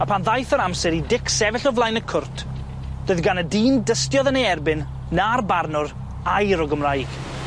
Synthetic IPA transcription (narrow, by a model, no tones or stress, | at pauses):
apʰanðajθəɾamsɛɾidɪksɛvɪɬɔvlˠajnəkʰʊrtʰ | d̥oɨðɡanədiːndəstjɔðənejɛrbɪnː | arbarnʊr | ajɾɔɡəmrajɡ̥